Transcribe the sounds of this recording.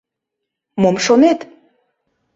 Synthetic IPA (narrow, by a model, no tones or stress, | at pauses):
momʃonet̪